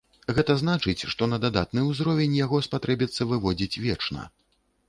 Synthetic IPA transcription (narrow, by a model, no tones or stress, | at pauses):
ɣɛt̪ɐznat͡ʂɨt͡sʲʂt̪ɔnɐd̪ad̪at̪nɨuzɾɔvʲɛnʲjaɣɔspat̪ɾɛbʲit̪sːɐvɨvɔd͡zʲit͡sʲvʲɛt͡ʂnɐ̰